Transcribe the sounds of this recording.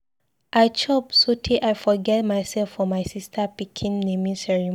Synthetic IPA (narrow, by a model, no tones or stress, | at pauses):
ʔajt͡ʃɔbsotʰiʔajfɔɡɛt̚majsɛlfɔmajsistʰəpikʰĩnnẽmĩsɛɹi